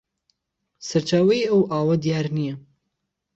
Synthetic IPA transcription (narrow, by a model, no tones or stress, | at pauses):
sɐɾt͡ʃaːwɐjʔɐwʔaːwɐd̪ijaːɾnijɐ